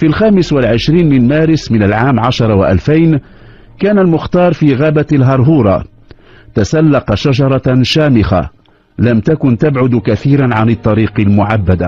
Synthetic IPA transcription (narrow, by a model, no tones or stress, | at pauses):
filxaːmɪswalʕɪʃɾiːnmɪnmaːɾɪsmɪnalʕaːmʕaʃɑɾˤɑwaʔa̰lfajn | kaːnalmʊxt̪ɑːɾˤfiːɣaːbalɦɑɾˤɦuːɾˤɑ̰ | t̪asalːɑqɑʃaʒɑɾˤɑʃaːmɪxa̰ | lamt̪akʊnt̪abʕʊd̪kaθiːɾanʕanɪt̪ˤːɑɾiːqɑlmʊʕabːad̪a